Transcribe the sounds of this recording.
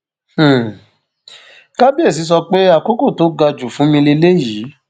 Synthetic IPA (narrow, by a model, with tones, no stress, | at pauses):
h̩˨ | ka˦bi˦e˦˨s̬i˨˧˦s̬ɔ˧k͡pe˦a˦˨ko˦ko˦˨to˨˦ɡa˧d͡ʒu˨fũ˨˦mĩ˧le˧le˦ji˨˦